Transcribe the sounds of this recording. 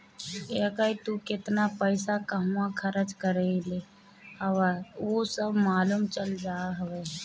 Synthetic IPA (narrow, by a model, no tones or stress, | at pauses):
ekəit̪ukɪt̪napəɪsakəɦãkʰəɾət͡ʃkəɾɛle | əʋəosəbʱmaːlumt͡ʃəld͡ʒaɦəwɛ